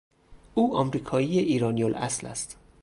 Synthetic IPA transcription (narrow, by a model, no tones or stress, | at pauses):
ʔuːɒmɾiːkʰɒːiːjeʔiːɾɒːnijolʔæ̰slæ̰st̪